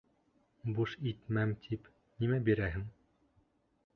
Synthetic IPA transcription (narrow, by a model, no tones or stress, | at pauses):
buʃit̪mæmt̪ʰip | nʲimæbiɾæɦɘŋ